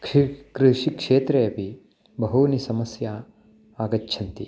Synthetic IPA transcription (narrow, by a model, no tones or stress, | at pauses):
kkɾiʂikʂeːt̪ɾejɐpi | bɐɦunisɐmɐsja | aːɡɐtːʃʰɐnt̪i